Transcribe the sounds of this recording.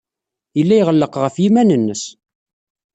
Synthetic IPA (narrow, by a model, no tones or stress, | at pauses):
jəlːæjʁəlːəqʁəfjimænənːəs